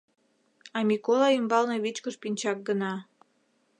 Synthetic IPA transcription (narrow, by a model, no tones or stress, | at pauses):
ɑmʲikolɑimbɑlneβit͡ɕkəʃpinʲt͡ɕɑk̚ɡənɑ